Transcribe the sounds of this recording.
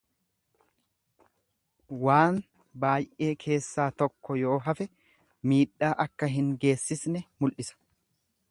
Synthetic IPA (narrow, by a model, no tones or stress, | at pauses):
waːn | baːjʔe̞ːkʰe̞ːsːaːt̪ɔkːɔjo̞ːɦɐfɛ | miːᶑːaːʔɐkːɐɦɪŋɡe̞ːsːɪsnɛmʊlʔɪsɐ̥